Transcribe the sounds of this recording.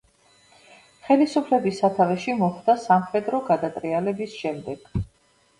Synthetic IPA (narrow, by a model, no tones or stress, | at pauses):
χɛlisupʰlɛbisat̪ʰavɛʃimɔχd̪asamχɛd̪ɾɔɡad̪at̪ʼɾialɛbisʃɛmd̪ɛɡ̥